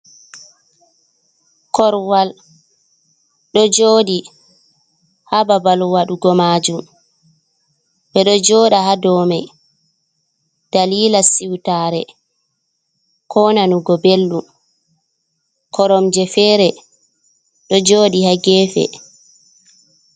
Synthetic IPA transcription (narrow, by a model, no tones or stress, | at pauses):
kɔɾwal | ɗɔd͡ʒoːɗi | hababalwaɗuɡɔmaːd͡ʒum | ɓɛɗɔd͡ʒɔːɗahadɔmaj | d̥aliːlasiwtaːɾɛ | kʰɔnanuɡɔbelːu | kɔɾɔmd͡ʒɛfɛːɾɛ | ɗɔd͡ʒoːɗihaɡɛːfɛ̰